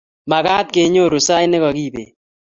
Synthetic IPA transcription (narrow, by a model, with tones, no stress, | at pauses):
ma˨ka˦t̪̚ke˨˦ɲo˦˨ɾu˨sa˦jnɪ˦kɔ˨ki˦˨bḛ˨